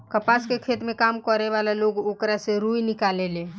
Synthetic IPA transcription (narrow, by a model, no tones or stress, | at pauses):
kəpaskekʰeːt̪mẽkaːmkəɾeʋalaloːɡoːkɾaseɾujnɪkaleleː